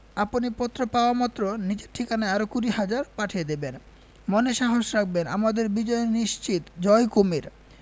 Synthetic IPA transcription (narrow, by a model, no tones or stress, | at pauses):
aponipɔt̪ːɾopaoamɔt̪ːɾonid͡ʑeɾʈʰːikanaeaɾokuɾihad͡ʑaɾpaʈʰied̪eben | moneʃaɦoʃɾak̚ʰbena̰mad̪eɾbid͡ʑɔjeniʃt͡ɕit̪d͡ʑɔjkomiɾ